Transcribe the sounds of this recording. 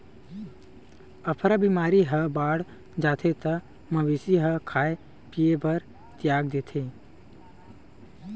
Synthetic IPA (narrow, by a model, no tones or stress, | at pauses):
əpʰɾabiːmaːɾiɦəbaːɽ | d͡ʒaːt̪ʰet̪ɐ | mɐʋisiɦəkʰaːe | piebəɾ | t̪jaːɡd̪eːt̪ʰeː